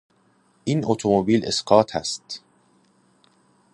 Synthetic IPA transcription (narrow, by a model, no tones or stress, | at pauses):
ʔiːnʔot̪ʰomobiːlḛsɢɒːt̪ʰæ̰st̪